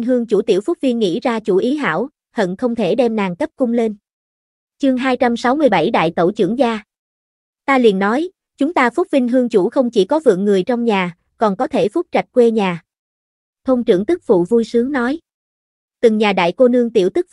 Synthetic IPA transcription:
ŋɦɨ˧əŋt͡ɕu˧˩t̪i˧˩əwfʊ˦˥k̚vi˧ənŋḭ˧˥zaː˧t͡ɕu˧˩ʔi˨˦ɦa̰ː˧˥˩w | hə̰˧˨nxə˧wŋ͡mt̪ʰe˧˩ɗɛ˧mnaː˨˩ŋkə˦˥p̚kʊ˧ŋ͡mle˧n | t͡ɕɨ˧əŋɦaː˧jt͡ɕa˧msa˨˦wmɨ˧əjɓa˧˩jɗa̰ː˧˨jt̪ə̰˧˩wt͡ɕɨ̰˧˩əŋzaː˧ | t̪aː˧lḭ˧˨ənːɔ˨˦j | t͡ɕʊ˨˦ŋ͡mt̪aː˧fʊ˦˥k͡p̚vï˧ŋ̟ɦɨ˧əŋt͡ɕu˧˩xə˧wŋ͡mt͡ɕi˧˩kɔ˨˦vɨ̰˨˧˨əŋːɨ˨˩əjt͡ɕɔ˧wŋ͡mɲaː˨˩ | kɔ˨˩nkɔ˨˦t̪ʰe˧˩fʊ˦˥t̚t͡ɕa˨˩jk̟̚kwe˧ɲaː˨˩ | t̪ʰə˧wŋ͡mt͡ɕɨ̰˧˩əŋt̪ɨ˦˥k̚vṵ˧˨vu˧jsɨ˨˦əŋnɔ˨˦j | t̪ɨ˨˩ŋɲaː˨˩ɗa̰ː˧˨jko˧nɨ˧əŋt̪ḭ˧˩wt̪ɨ˦˥k̚

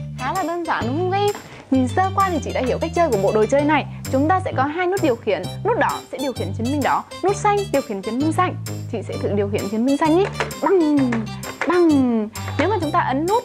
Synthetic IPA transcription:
xaː˨˦laː˨˩ɗəː˧nzaː˧˩nʊ˨˦˧ɣə˧˦ | ɲi˨˩nsəː˧kwaː˧t̪ʰi˨˩t͡ɕḭ˧˨ɗa̰ː˧hi˧˩əwka˦˥jk̚t͡ɕəː˧jku˧˩ɓo̰˧˨ɗo˨˩jt͡ɕəː˧jna˨˩jt͡ɕʊ˨˦ŋ͡mt̪aː˧sɛ̰˧˥kɔ˨˦ɦaː˧jnu˦˥t̚ɗi˨˩əwxḭ˧˨ənːu˦˥t̚ɗɔ˨˦sɛ̰˧˥ɗi˨˩əwxḭ˧˩ənt͡ɕi˨˦ənmï˧ŋ̟ɗɔ˨˦ | nu˦˥t̚sa˧jŋ̟ɗi˨˩əwxḭ˧˩ənt͡ɕi˨˦ənmï˧ŋsa˧˩jŋ̟t͡ɕḭ˧˨sɛ̰˧˥t̪ʰɨ̰˧˨ɗi˨˩əwxi˧˩ənt͡ɕi˨˦ənmï˧ŋsa˧jŋ̟ʔi˦ɓa˨˩ŋ | ɓa˨˩ŋne˨˦wmaː˨˩t͡ɕʊ˨˦ŋ͡mt̪aː˧ʔə˨˦nːu˦˥t̚

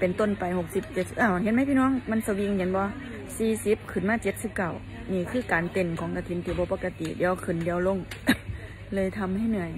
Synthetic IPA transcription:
pe˨nt̪o˧˥˨npa˨jho˧˦k̚si˧˦p̚t͡ɕe˧t̪̚ʔa˧˩wɦe˧˥n̚ma˧˥˨pʰiː˧nɔː˧˥˨ŋma˧˥˨nsa˧wi˧ŋhe˧˦nbɔː˧˦ | siː˧si˧˦˥p̚kʰɯ˨˧˩nmaː˧˨t͡ɕe˧t̪̚si˧˦p̚ka˧˩w | niː˧˩kʰɯː˧˩˨kaː˨˩nt̪e˨˩nkʰɔː˨˦ŋk̪a˧˩t̪ʰi˧˦nt̪ʰiː˧˦bɔː˧˦pa˧˩kːa˧t̪ḭ˨di˨˧˨əwkʰɯ˧˩˨ndi˧˨əwlo˧˥˨ŋ | lɤː˧˨jt̪ʰa˧mha˧˩jnɯ˧˩əj

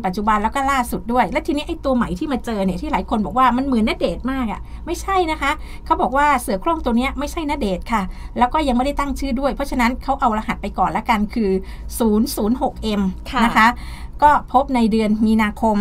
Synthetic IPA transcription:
pa˨t̪̚t͡ɕu˨˩ba˧nlɛː˦˥wkɔː˥˩laː˥˩su˨˩t̪̚du˥˩əjlɛ˦˥t̪ʰiː˧ni˦˥ʔa˧jt̪u˧ɐma˨˩˦jt̪ʰiː˥˩maː˧t͡ɕɤː˧ni˥˩ɐt̪iː˥˩aː˩˦jkʰo˧nbɔː˨˩k̚waː˥˩ma˧nmɯ˨˩˦ənːa˦˥deː˨˩t̪̚maː˥˩k̚a̰˨˩ma˥˩jt͡ɕʰa˥˩jna˦˥kʰa˦˥ʔ | kʰa˦˥wbɔː˨˩kwaː˥˩sɯ˨˩˦kʰɾoː˥˩˨mt̪u˧əni˦˥ɐma˥˩jt͡ɕʰa˥˩jna˦˥deː˨˩t̪̚kʰa˥˩lɛː˦˥wkɔː˥˩ja˧ŋa˥˩da˥˩jt̪a˥˩ŋt͡ɕʰɯː˥˩du˥˩əjpʰɔ˦˥t͡ɕʰa˧na˦˥nkʰa˦˥wʔa˧wla˧ha˨˩t̪̚pa˧jkɔː˨˩nlɛ˦˥ka˧nkʰɯː˧ | suː˩˦nsuː˩˦nɦo˨˩k̚ʔe˧mʰna˦˥kʰa˦˥kɔː˥˩pʰo˦˥p̚na˧jdɯ˧ənmiː˧naː˧kʰo˧m

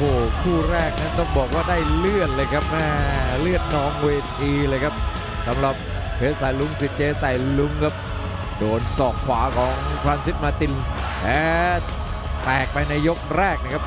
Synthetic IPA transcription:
hoː˨˩kʰuː˥˩ɾɛː˥˩k̚na˦˥nt̪ɔ˥˩ŋbɔː˨˩k̚waː˥˩daː˥˩jlɯ˥˩ət̪̚lɤː˧jkʰa˦˥p̚mɛː˥˩lɯ˥˩ət̪̚nɔː˧ŋweː˧t̪ʰiː˧lɤː˧jkʰa˦˥p̚ | sa˨˦mɾa˨˩p̚ | pʰeː˦˧t̚sa˨˩jlu˧˥ŋsi˨˩t̪̚t͡ɕeː˧sa˨˩jlu˧ŋkʰa˦˥p̚ | doː˧nsɔː˨˩kʰwaː˩˦kʰɔː˩˦ŋkʰɾaː˧msi˦˥t̪̚maː˧t̪i˧nʔɛː˦˥ | t̪ɛː˨˩k̚pa˧jna˧jːo˦˥k̚ɾɛː˥˩k̚na˧˩kʰa˦˥p̚

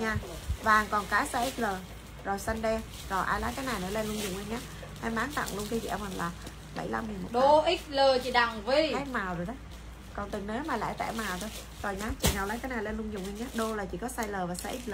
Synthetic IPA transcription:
ɲaː˧ | vaː˨˩ŋkɔ˨˩nkaː˨˦saː˧ʔi˦˥k̚ləː˨˩ | zɔ˨˩jsa˧nɗɛ˧ | zɔ˨˩ʔaː˧jlaː˨˦kaː˨˦jna˨˩jnə˨˧˦le˧nlʊ˧ŋ͡mzʊ˨˩ŋ͡mʔa˧ŋ̟ɲaː˨˦ | ha˧jmaː˨˦ŋt̪a̰˧˨ŋlʊ˧ŋk̪ʰzḭ˧˨ʔa˧ŋ͡mmə˨˩nlaː˨˩ | ɓə̰˧˩jla˧mŋi˨˩nm˨˩ɗo˧ʔi˦˥k̚ləː˨˩t͡ɕi˧˩ɗa˧˨˩ŋŋ͡mvi˧ha˨˦jmaː˨˩wo˨˩aː˨˦ | kɔ˨˩nt̪ɨ˨˩ŋneː˨˦maː˨˩la̰ː˧˨jt̪a̰ː˧˨jmaː˨˩wt̪ʰo˧j | zɔ˨˩jɲaː˧˦t͡ɕḭ˧˩ɲaː˨˩wlaː˨˦jkaː˨˦jnaː˨˩jle˧nlʊ˧ŋ͡mzʊ˨˩ŋ͡mʔa˧ŋ̟ɲaː˨˦ɗo˧laː˨˩t͡ɕḭ˧˩kɔ˨˦saː˧jləː˨˩vaː˨˩saː˧ʔi˦˥t̚ləː˨˩

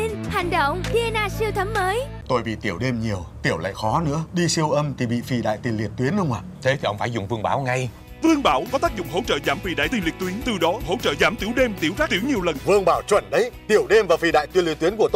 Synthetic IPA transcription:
i˧nhɛ˨˩ŋ̟ɗə˧˨wŋ͡mvi˧e˧naː˧si˧əwt̪ʰə˨˦mməː˨˦j | t̪o˧jɓḭ˧˨t̪i˧˩əwɗe˧mɲi˨˩əwt̪i˧˩əwla̰ː˧˨jxɔ˨˦nɨ̰˧˥əɗi˧si˧əwʔə˧mt̪ʰi˨˩ɓḭ˧˨fi˨˩ɗa̰ː˧˨jt̪i˨˩li˨˩ət̚t̪wi˨˦ənxə˧wŋ͡mʔa̰ː˧˨t̪ʰe˨˦t̪ʰi˨˩ʔə˧ŋ͡mfaː˧˦jzʊ̰˧˨ŋ͡mvɨ˧əŋɓaː˨˦wŋa˧j | vɨ˧əŋɓaː˧˦wkɔ˨˦aː˦˥k̚zʊ̰˧˨ŋ͡mɦo̰˧˥t͡ɕə̰ː˧˨zaː˨˦mfi˨˩ɗa̰ː˧˨jt̪i˨˩ŋli˨˩k̚t̪wi˨˦əŋt̪ɨ˨˩ɗɔ˨˦ho̰˧˥t͡ɕə̰ː˧˨zaː˨˦mt̪i˨˦əwɗe˧mt̪i˨˦wzaː˦˥t̪i˨˦wɲi˨˩əwlə˨˩nvɨ˧əŋɓaː˧˩wt͡ɕwə̰˧˩nɗə˨˦jt̪i˧˩əwɗe˧mvaː˨˩fi˨˩ɗa̰ː˧˨jt̪i˧˦lḭ˧ət̪wi˨˦ənku˧˩ət̪

